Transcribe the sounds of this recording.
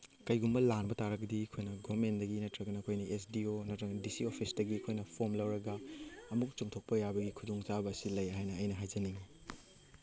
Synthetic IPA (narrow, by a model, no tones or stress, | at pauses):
kɐjɡumbɐlanbɐtaɾɐɡɐdikʰojnɐɡomendɐɡinɐtɾɐɡɐnɐkʰojnɐʔesdionɐtɾɐŋdisiopʰisdɐɡiɐkʰojnɐpʰomlɐwɾɐɡɐːmuk̚t͡ʃuŋtʰok̚pɐjabɐɡikʰudoŋt͡ʃabɐːsilɐjɦajnɐːjnɐɦajd͡ʒɐniŋi